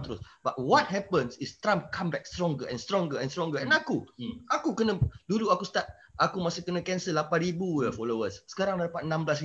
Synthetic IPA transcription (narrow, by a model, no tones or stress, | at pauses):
t̪əɾʊsb̥at̚wɔt̚ɦɛpə̃nsist̪ɾãmpkʰãmbɛk̚st̪ɾɔ̃ŋɡəʔɛ̰̃nst̪ɾɔ̃ŋɡəɛ̃nst̪ɾɔ̃ŋɡəɛ̃nakuakukənə̃duluakust̪at̪̚ | ʔakumasukənãkɛnsəlapãnɾibujəfɔlowəsːə̥kaɾãŋadapat̪̚ənãmblas̬i